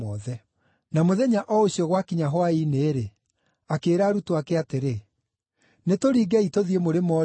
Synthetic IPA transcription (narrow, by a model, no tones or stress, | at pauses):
ɔðɛ | namoðɛɲaʔɔoɕiɔɣwakiɲaɦwaineːɾe | akeːɾaːɾutoakɛateɾe | netoɾiːɡɛitoðiemoɾemɔ